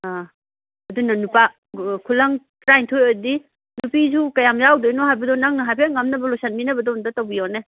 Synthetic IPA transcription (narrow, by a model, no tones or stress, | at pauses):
a | ɐdunɐnupa | kʰulɐŋ | tɾajntʰojojdi | nupizukɐjamzawdojnɔɦajbɐdɔnaŋnɐɦajpʰeŋamnɐbɐlosʰɐnminɐbɐdɔndatɐwbijone